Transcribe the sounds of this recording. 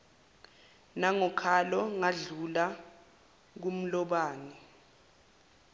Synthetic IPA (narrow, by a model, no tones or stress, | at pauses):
naŋɔkʰalɔŋaɮula | k̬um̩lɔɓaːnɛ